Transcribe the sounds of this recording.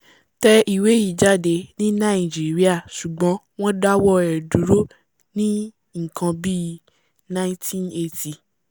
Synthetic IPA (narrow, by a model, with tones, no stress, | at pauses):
tɛ˦ʔi˨we˨˦ji˦˨d͡ʒa˦˨de˧nĩ˦nã˦˨d͡ʒe˨ɾi˦a˦˨ʃu˨ɡ͡bɔ̃˨˦w̃ɔ̃˦da˦wɔ˦ɛ˨du˨˦ɾo˦ | nĩ˦ | ŋ̩˨kʰã˧bi˦ | nã˦ĩ˦tʰĩ˦ne˧tʰi˧